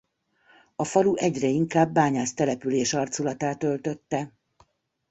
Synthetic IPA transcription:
ɒfɒluʔɛɟrɛiŋkaːbːaːɲaːst̪ɛlɛpyleːʃɒrt̪sulɒt̪aːt̪ølt̪ø̞t̪ːɛ

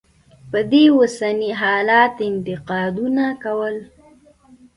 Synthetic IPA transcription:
pəd̪ewasaniɦɑlɑt̪ɪnt̪ɪqɑd̪unakawəl

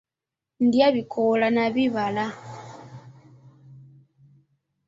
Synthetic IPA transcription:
ndjaβikʰɔlanaβiβala

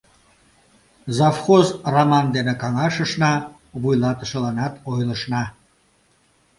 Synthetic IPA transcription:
zɑfχozramɑnd̪enekɑŋɑʃəʃnɑ | βujlɑt̪ə̥̆ʃə̆lɑnɑt̪ojlə̆ʃnɑ

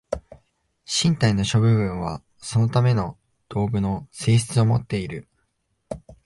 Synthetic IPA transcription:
ɕĩnt̪aino̞ɕo̞bɯ̟βɯ̟̃ɰ̃βa̰ | so̞no̞t̪ame̞no̞ | d̪̥o̞ːɡɯ̟no̞se̞ːɕi̥t͡sɨo̞mo̞t̪ːe̞iɾɯ̟

